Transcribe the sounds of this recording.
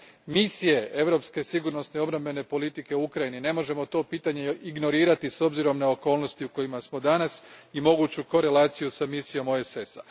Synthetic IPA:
misije̞ʔe̞ʋɾo̞pske̞siɡuɾno̞sne̞io̞bɾambe̞ne̞po̞lit̪ike̞uukɾajinine̞mo̞ʒe̞mo̞t̪o̞ːpiːt̪aɲe̞iɡno̞ɾiːɾat̪iso̞bziɾo̞mnao̞ko̞ːlˠno̞st̪iuko̞imasmo̞d̪anasimo̞ɡuːt͡ɕuko̞ɾe̞lˠaːt̪sijusamisijo̞mo̞esesa̰

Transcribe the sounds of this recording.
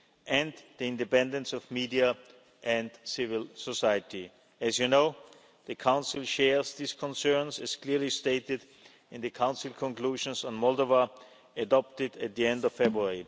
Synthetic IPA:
ʔɨ̃nðiɪ̃ndɨpɛ̃ndə̃nsɔvmidia | ʔɨ̃ndsɪvɪlˠsosaɪɨti | ɨzjɨnoʊ | ðɨkʰãʊ̃nsɪl̩ˠʃɛɹzðiskʰɔ̃nsɜ̃˞nsɨz̥kʰl̥ɪɹlisteɪtɪd | ɨ̃nðɨkʰãʊ̃nsɪl̩ˠkʰɔ̃nkl̥uʒə̃nsn̩mɔlˠdovə | ədɑp̚tɪdɨt̪̚ðiɛ̃ndʌv̥fɛbɹuɛɹi

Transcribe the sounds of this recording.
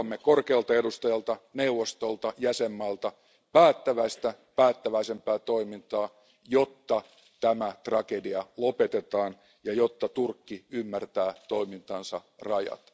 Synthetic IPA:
mːekorkeɑlt̪ɑedust̪ɑjɑlt̪ɑneuʋost̪olt̪ɑjæsemːɑːlt̪ɑ | pæːt̪ːæʋæist̪æ | pæːt̪ːæʋæisempæːt̪oimint̪ɑː | jot̪ːɑ | t̪æmæt̪rɑkediɑlopet̪et̪ɑːn | jɑjot̪ːɑt̪urkːiymːært̪æːt̪oimint̪ɑnsɑrɑjɑ̰t̪

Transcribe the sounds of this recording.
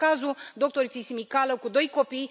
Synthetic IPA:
azud̪o̞k̚t̪o̞ɾit̪sisimikaləkud̪o̞jko̞pij

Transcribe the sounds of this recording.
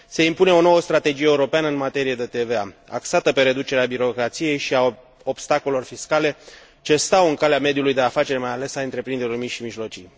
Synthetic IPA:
se̞impune̞o̞no̞wəst̪ɾat̪e̞d͡ʒijeuɾo̞peanəɨnmat̪e̞ɾije̞d̪e̞t̪e̞veaa̰ksat̪əpe̞ɾe̞d̪ut͡ʃe̞ɾeabiɾo̞kɾat̪sije̞jʃia | o̞bst̪akolelo̞rfiskale̞ | t͡ʃe̞st̪awɨŋkaleame̞d̪julujd̪e̞afat͡ʃe̞ɾmajale̞saɨnt̪ɾe̞pɾind̪eɾʲormiʃimiʒlo̞t͡ʃij

